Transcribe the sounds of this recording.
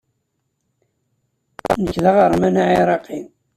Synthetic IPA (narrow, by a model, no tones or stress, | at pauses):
nəkːðaʁəɾˤmænaʕiɾˤɑqi